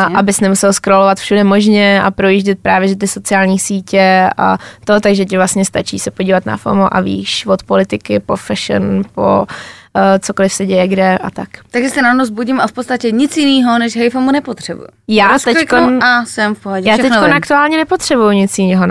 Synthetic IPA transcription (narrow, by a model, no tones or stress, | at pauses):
ʔabɪsnɛmusɛlskɾolovat̪fʃudɛmo̞ʒɲɛa̰pɾo̞jiʒɟɛt̪̚pɾaːvjɛdot̪ɪso̞t͡sɪaːlɲiːsiːcɛa̰t̪o̞t̪aɡʒɛcɪvlasɲɛst̪at͡ʃḭːsɛpo̞ɟiːvat̪na̰fo̰moʔa̰vḭːʃvot̪polɪt̪ɪkɪpɾofɛʃɛ̰npo̰ | t͡soko̞lɪfsɛɟɛjɛɡdɛʔat̪akt̪aɡʒɛst̪ɛnanozbuɟɪmafpot̪st̪acɛɲɪt͡sjɪniːɦonɛʃɦɛjfomunɛpot̪r̥ɛbṵjʊ̰jaːst̪ɛkomnasɛmfpoɦoɟɛjaːʃt̪ɛkonak̚t̪uaːlɲɛnɛpot̪r̝̥ɛbujuɲɪt͡sjɪniːɦon